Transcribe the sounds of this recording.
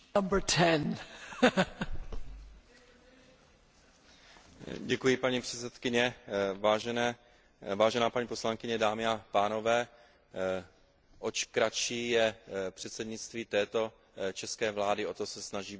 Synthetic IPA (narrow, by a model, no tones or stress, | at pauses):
ʌ̃mbə˞tʰɛ̃n | ɟɛkujɪpaɲipr̥ɛt͡sɛt̪kɪɲɛvaːʒɛnɛ | vaːʒɛnaːpaɲiːposlaŋkɪɲɛdaːmɪapaːno̞vɛː | ʔot͡ʃkɾat͡ʃiːjɛpr̥ɛt̪sɛdɲɪt͡st̪viːt̪ɛːt̪o̞ | t͡ʃɛskɛːvlaːdɪo̞t̪osɛsnaʒiː